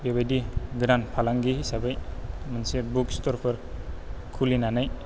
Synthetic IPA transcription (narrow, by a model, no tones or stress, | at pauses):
bebajdiɡɾanpʰalaŋɡihisabajmansebukstɔɾpʰaɾ | kʰulinanaj